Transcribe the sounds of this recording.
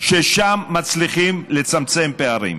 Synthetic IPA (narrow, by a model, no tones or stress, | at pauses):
ʃeʃamːat͡sliχimle̞t͡samt͡se̞mpe̞aʁḭm